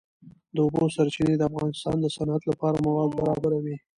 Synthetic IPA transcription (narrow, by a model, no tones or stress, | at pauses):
d̪əʊbosaɾt͡ʃined̪əafɣɑnɪst̪ɑ̰nd̪əsanat̪lapɑɾamawɑd̪̚baɾɑbaɾawi